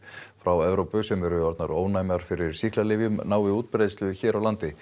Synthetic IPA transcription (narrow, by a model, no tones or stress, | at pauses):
fɾawɛvɾowpʏsɛmɛɾʏɔɾt̪na̰ɾoːwnaːjmaɾ̥fɪɾɪɾ̥sihklalɪvjʏmnaːwɪuːt̪̚pɾejðst̪lʏçɛːɾawlant̪ɪ